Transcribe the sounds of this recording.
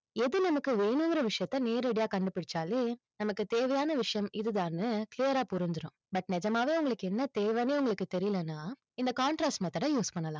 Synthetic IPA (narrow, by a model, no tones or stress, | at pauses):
ɛðɯnɐmɐkːɯʋeːɳɯŋɡɾɐʋɪʂɐjɐt̪ːɐneːɾɛɽɪjaːkɐɳɖɯpɪɽɪt͡ʃːaːleː | nɐmɐkːɯt̪eːʋɐjaːnɐʋɪʂɐjɐmɪðɯðaːnɯklɪjɐɾaːpʊɾɪɲd͡ʒɯɾʊ̃ː | bɐʈ̚nɛd͡ʒɐmaːʋeːʊŋɡɐɭɯkːɯɛnːɐt̪eːʋɐneːʊŋɡɐɭɯkːɯt̪ɛɾɪjɪlɐnːaː | ɪnd̪ɐkaːɳʈɾaːksmɐt̪ːɐʈãːjuːspɐɳːɐlãː